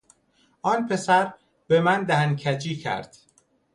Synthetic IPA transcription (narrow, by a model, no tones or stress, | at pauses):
ʔɒːnpʰe̞sæɾ | be̞mænd̪æhæncʰæd͡ʒiːcʰæ̰ɾd̪̥